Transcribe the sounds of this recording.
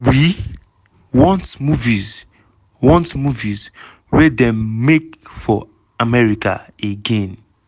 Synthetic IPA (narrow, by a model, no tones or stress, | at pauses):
wi | wɔ̃ntmuviz | wɔ̃ntmuviz | wedɛ̃mːekfɔ | amɛɹikʰa̰ | eɡẽn